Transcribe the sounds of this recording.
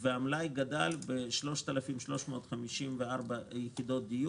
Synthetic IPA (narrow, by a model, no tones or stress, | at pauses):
veamlajɡad̪albeʃlo̞ʃt̪alafimʃlo̞ʃmo̞ːt̪χamiʃimveaʁbajeχid̪o̞t̚d̪iju